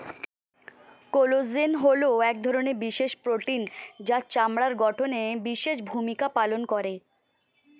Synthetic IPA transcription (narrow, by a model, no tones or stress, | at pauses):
kolozenɦoleooɛk̚d̪ʱɔɾoneɾbiʃeʃpɾoʈind͡ʑat͡ɕamɽaɾɡɔʈʰonebiʃeʃ̬bʱumikapalonkɔɾe